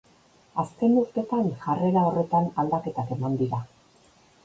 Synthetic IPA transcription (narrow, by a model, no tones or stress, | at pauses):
aske̞nuɾt̪e̞t̪aŋʝare̞ɾao̞re̞t̪anald̪ake̞t̪ake̞mand̪iɾa